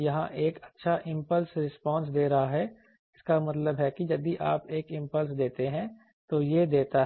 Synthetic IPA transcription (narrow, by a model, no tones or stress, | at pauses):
jɐɦãʔeːkɐtːʃʰaʔɪ̃mpəlsɾɪspɔ̃ːns̬d̪eːɾɐɦaɦɛ | ɪskamɐt̪ləbɦɛkijɐd̪iʔaːpeːkɪ̃mpəls̬d̪eːt̪eɦɛ̃ | t̪ojed̪eːt̪aɦ